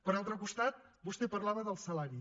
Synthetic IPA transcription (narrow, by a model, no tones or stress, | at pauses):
pəɾalˠt̪ɾəkust̪at̪̚bust̪epərlaβəðəlˠsəlaɾi